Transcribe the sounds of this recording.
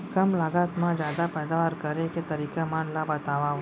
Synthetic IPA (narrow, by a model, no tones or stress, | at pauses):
kəmlaɡat̪mãd͡ʒjaːd̪apɛːd̪aʋaɾkəɾeket̪əɾikamãnlabət̪aʋa